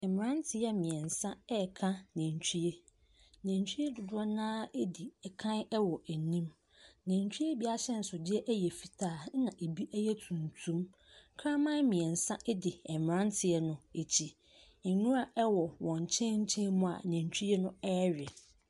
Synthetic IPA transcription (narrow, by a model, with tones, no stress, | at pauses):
ɛ˨mɪ̃˨ɾã˦ntʰɪ˨jɛ˦mɪ̃˨ɛ̃˨n˨sã˦ɛ˦˨kʰã˦nɛ̃˨t͡ɕʰᶣu˦e˦ | næ̃˨n˨t͡ɕʰᶣu˦e˦dʊ˨dʊ˦ɔ˦nãː˦e˦di˨ɛ˨kʰã˦n˦ɛ˦wɔ˨ʔæ˨nĩ˦m | næ̃˨n˨t͡ɕʰᶣu˦e˦bi˨a˦ɕɛ˦n̩˨sʊ˨dɪ˦ɛ˦ʔæ˦jɛ˨fi˨tʰaː˦˨˦nã˨ʔe˨bi˦ʔæ˦jɛ˦tʰũ˨n˨tʰũ˦m | kʰɾã˦mã˦mɪ̃˨ɛ˨n̩˨sã˦ʔɛ˦dɪ˨ɛ˨mɪ̃˨ã˦n˦tʰɪ˨ɛ˦nʊ̃˦e˨t͡ɕʰi˨ | ɛ˨nũ˦a˨ʔɛ˦wɔ˨wɔ̃˨ɲ˨t͡ɕʰɛ̃˦ɲ̩˦t͡ɕʰɛ̃˦mʊ̃˦a̰˨næ̃˨n˨t͡ɕʰᶣu˦e˦nʊ̃˦ɛː˦ɾɪ˨